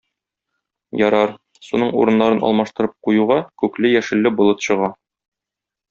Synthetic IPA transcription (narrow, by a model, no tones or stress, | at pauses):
jɒɾɑɾ | sunɤɴṵɾɤ̆nːɑɾɤnɒ̰lˠmɑʃt̪ɤ̆ɾɤp̚qujuʁɑkʉklɘjæʃɘ̆lːɘbulˠɤt̪ɕɤ̆ʁɑ